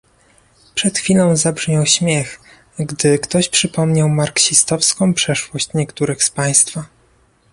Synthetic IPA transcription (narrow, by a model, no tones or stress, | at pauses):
pʂɛt̪xfʲilɔ̃w̃zabʐɲɔwɕmʲjɛx | ɡd̪ɘkt̪ɔɕpʂɘpɔmɲawmaɾkɕist̪ɔfskɔ̃w̃pʂɛʂwɔɕt͡ɕɲɛkt̪uɾɘxspaj̃st̪fa